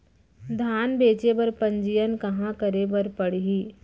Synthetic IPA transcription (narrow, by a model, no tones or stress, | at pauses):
d̪ʱaːnbeːt͡ʃebɐɾpɐ̃ɲd͡ʒijənkɐɦãkəɾebɐɾpɐɽiɦiː